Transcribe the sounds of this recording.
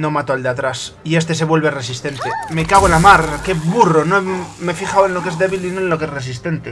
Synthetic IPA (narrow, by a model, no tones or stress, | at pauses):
no̞mat̪oald̪eat̪ɾas | ie̞st̪e̞se̞βwe̞lβe̞re̞sist̪e̞nt̪eme̞kaβ̞oelamaɾke̞βuro̞noeme̞fiχawenloke̞zðe̞βilinoenlokeeres̬ist̪e̞nt̪e